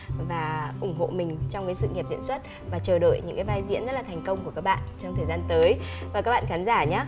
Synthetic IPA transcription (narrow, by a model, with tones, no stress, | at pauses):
vaː˨˩ʔʊ˧˩ŋ͡mɦo̰˧˨mï˨˩ŋ̟t͡ɕɔ˧wŋ͡mkaː˨˦jsɨ̰˧˨ŋi˨˩p̚zḭ˧˨nswə˦˥t̚ | vaː˨˩t͡ɕəː˨˩ɗo̰˧˨jɲɨ̰˧˥ŋkaː˨˦jvaː˧jzḭ˧˥ənzə˦˥t̚laː˨˩t̪ʰjŋ̟kə˧wŋ͡mku˧˩əka˦˥k̚ɓa̰ː˧˨nt͡ɕɔ˧wŋ͡mt̪ʰəː˨˩jzaː˧nt̪əː˨˦jvvaː˨˩kaː˦˥k̚ɓa̰ː˧˨xaː˨˦nzaː˧˩ɲaː˨˦